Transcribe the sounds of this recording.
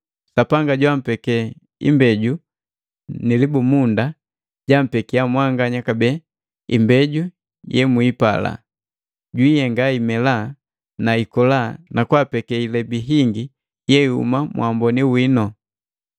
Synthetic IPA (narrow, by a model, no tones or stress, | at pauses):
sapaŋɡaɟwam̩pɛkɛ | ḭmbɛɟu | nilibumunda | ɟam̩pɛkiamwaŋɡaɲakabɛ | ḭmbɛɟu | jɛmwipa̰la̰ | ɟwijɛŋɡaimɛla | naikɔlanakwapɛkɛilɛbiɦiŋɡi | jɛihṵmamwʔambɔniwinɔ